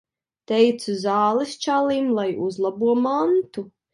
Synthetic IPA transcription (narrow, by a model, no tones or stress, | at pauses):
t̪ɛjt̪suzaːlˠist͡ʃalˠiːmlˠajuzlˠabuɔmant̪u